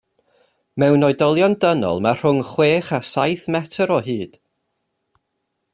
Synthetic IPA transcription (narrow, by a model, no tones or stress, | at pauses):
mɛwnɔɨdɔlˠjɔndənɔ̰lˠmar̥ʊŋχweːχasajθmɛtʰəɾɔɦiːd̥